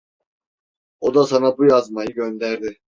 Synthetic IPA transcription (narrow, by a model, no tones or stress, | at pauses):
od̪asanabujazmajɯɟø̞nd̪æɾd̪ɪ